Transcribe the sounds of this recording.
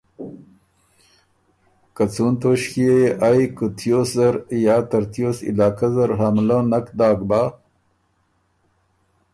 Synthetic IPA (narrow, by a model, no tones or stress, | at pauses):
kat͡sunt̪oɕkiejeʔajkut̪ʰjoszaɾjaːt̪aɾt̪joːsɪ̰laːkazaɾɦamlonakd̪ɑːɡbaː